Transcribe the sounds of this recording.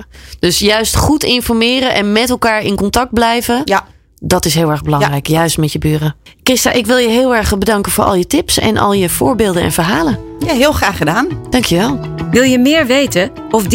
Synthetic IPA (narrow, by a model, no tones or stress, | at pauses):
d̥øsjœɥstχutɪnfɔɹmɪːɾəʔɛnmɛtɛlˠkaːɹɪnkɔntɑk̚d̚blɛjvə | dɔtɪsɦɪːlˠɛɹɣbəlɑŋrɛjkjœɥstmɛtjəbyːrəkɪsta̰ʔɪkʋɪlˠjəɦɪːlˠɛɹχbədɑŋkənfʊːɹʔɑ̰lˠjətɪpsɛ̰nʔɔ̰lˠjəv̥ʊːɹbɪːlˠdənɛ̰nvəɹɦaːlənjaɦɪːlˠχraːχədaːnd̥ɑŋkʰjəʋɛlˠʋɪlˠjəmɪːɹʋejtə | ɔfd